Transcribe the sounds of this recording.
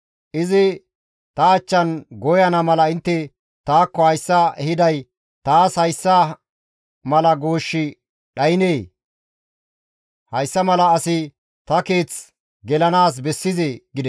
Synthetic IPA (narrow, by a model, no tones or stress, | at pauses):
ʔɪzɪ | t̪ɐɐt͡ʃːɐnɡɔjɐnɐmɐlɐɪnt̪ːɛ | t̪aːkːɔhɐjsːɐɛhɪd̪ɐj | t̪aːshɐjsːɐ | mɐlɐɡo̞ːʃːɪ | ɗɐjɪneː | hɐjsːɐmɐlɐːsɪ | t̪ɐke̞ːt͡s | ɡɛlɐnaːs̬bɛsːɪzeɡɪd̪ɛs